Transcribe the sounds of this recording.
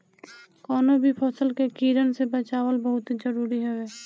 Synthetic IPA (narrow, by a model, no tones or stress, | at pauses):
kɔːnobʱipʰɔːsəlkekiːɾənsebət͡ʃaːwəlbəɦʊt̪ɦid͡ʒəɾuːɾiɦɛeː